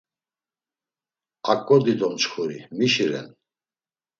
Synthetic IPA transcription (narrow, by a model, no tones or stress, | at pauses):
qʼakʼːɔd̪id̪ɔmt͡ʃχʰuɾimiʃiɾɛ̰n